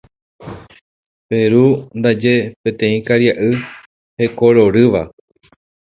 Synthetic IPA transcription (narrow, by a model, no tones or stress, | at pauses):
pe̞ɾund̪ad͡ʒe̞pẽ̞t̪ẽ̞ĩkaɾjaʔɨ | he̞koɾo̞ɾɨʋa